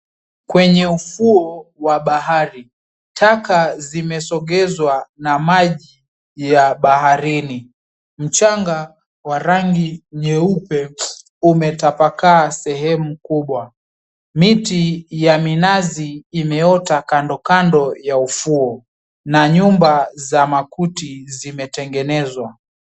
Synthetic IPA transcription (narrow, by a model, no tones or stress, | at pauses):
kwɛɲɛufuɔwaɓaɦaɾi | tʰakazimɛsɔɠɛzwanamaʄi | jaɓaɦaɾini | m̩t͡ʃaŋɡa | waɾaŋɡiɲɛupɛ | umɛtapakaːsɛɦɛmukuɓwa | mitijaminaziːmɛɔtakandɔkandɔjaufuɔ | naɲumbazamakutizimɛtɛŋɡɛnɛzwa